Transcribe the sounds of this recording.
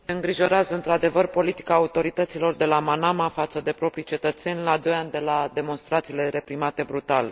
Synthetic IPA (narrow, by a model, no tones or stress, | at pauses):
eɨŋɡɾiʒo̞ɾeazəɨnt̪ɾad̪e̞vərpo̞lit̪i̥kaːut̪o̞ɾit̪ət̪silo̞rd̪e̞lamanamafat̪səd̪e̞pɾo̞pɾijt͡ʃe̞t̪ət̪se̞nʲlaːd̪o̞jand̪e̞lad̪e̞mo̞nst̪ɾat̪sile̞ɾe̞pɾimat̪e̞bɾut̪al